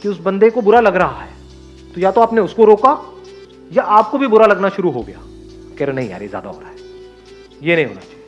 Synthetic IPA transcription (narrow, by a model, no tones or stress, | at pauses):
kiʊsbɐ̃nd̪ekobʊɾalɐɡɾɐɦaɦɛː | t̪ojat̪oaːpneʊskoɾoːka | jaʔaːp̚kobʱibʊɾalɐɡnaʃʊɾuɦoɡɐja̰ː | kɛɾnɐɦĩa̰ːɾḛzja̰ːd̪a̰ɦo̰ːɾaːɦɛː | jenɐɦĩɦo̰ːna̰t͡ʃaːjje